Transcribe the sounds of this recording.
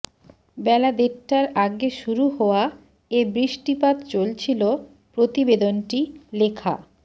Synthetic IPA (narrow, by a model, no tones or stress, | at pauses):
bɛlad̪eʈʈaɾaɡeʃuɾuɦɔa | ebɾiʃʈipat̪t͡ɕolt͡ɕʰilo | pɾot̪ibed̪onʈilekʰa̰